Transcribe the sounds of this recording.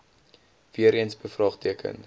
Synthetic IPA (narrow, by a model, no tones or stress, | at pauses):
viəɾiənsbəfrɑːχtiəkʰə̰n